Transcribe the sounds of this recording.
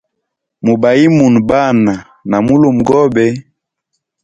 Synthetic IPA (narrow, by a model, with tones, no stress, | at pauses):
mu˨ba˨i˦mu˨n˨ba˦˨na˨ | na˨mu˦lo˨m˨ɡɔ˦bɛ˦